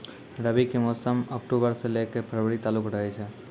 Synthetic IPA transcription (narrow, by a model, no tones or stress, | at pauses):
ɾəbikemɔsəmək̚ʈubəɾselekepʰɾəbɾit̪aːlukɾəɦɛt͡ʃʰɛ